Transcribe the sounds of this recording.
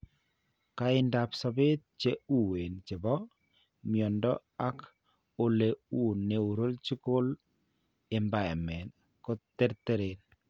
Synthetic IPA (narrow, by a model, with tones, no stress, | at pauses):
kaɪ˦nda˨psɔ˨be˦t̪̚t͡ʃe˦u˦we˨nt͡ʃɪ˨bɔ˦ | mjɔ˨ndɔ˦ | a˦k | o˨le˨u˨nːe˨u˨ɾo˦lt͡ʃi˦ko˦l | ɛmba˦˨mɛ˨n | ko˦t̪ːe˦ɾt̪e˦ɾe˨n